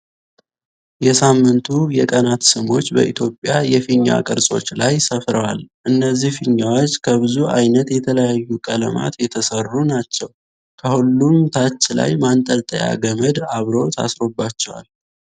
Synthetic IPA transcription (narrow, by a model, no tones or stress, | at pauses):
jɛsamːɨnt̪ʰujɛkʼənat̪sɨmo̞t͡ʃːbə̰ʔit̪ʰjo̞pʼːjajɛfiɲːa̰kʼɨɾsʼo̞̰t͡ʃːlajsəfɾəwalʔɨnːəzːihfiɲːawot͡ʃːkʰəβɨzuajnət̪jɛt̪ʰələjajːukʼələ̰ma̰t̪jɛt̪ʰəsərːunat͡ʃːɛw | kʰəhulːumt̪ʰat͡ʃːla̰jmant̪ʼəlt̪ʼəja̰ɡəməd̪aβɾo̞t̪ʰa̰sɾo̞bːat͡ʃːɛwa̰l